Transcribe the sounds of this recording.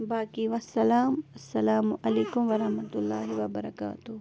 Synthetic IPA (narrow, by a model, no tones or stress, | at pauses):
baːkiʋɐsːɐlaːmɐsːɐlaːmʊʔɐleːkumʋɐɾɐhmɐt̪ulːaːɦiʋɐbɐɾɐka̰ːt̪u